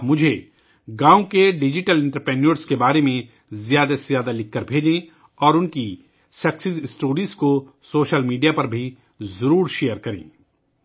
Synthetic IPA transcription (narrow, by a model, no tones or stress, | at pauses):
mʊd͡ʒʱe | ɡãːõkeɖɪd͡ʒɪʈəlɪ̃ɳʈəɾpɾɛːnəɾskebaːɾemẽ | zjaːd̪ajaːd̪alɪkʰːəɾbʱeːd͡ʒẽ | ɔːɾʊnki | sɐksɪzɪsʈoːɾizko | soːʃəlmiːɖijapɐɾbʱi | zɐɾuːɾʃejəɾkɐɾḛ̃ː